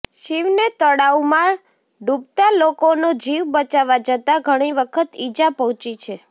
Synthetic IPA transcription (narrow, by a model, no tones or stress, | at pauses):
ʃiʋnet̪əɽaumaɾ | ɖubt̪alokonod͡ʒiʋbət͡ʃaʋad͡ʒət̪aɡʱəɽ̃iʋəkʰət̪id͡ʒapəɦɔ̃t͡ʃit͡ʃʰe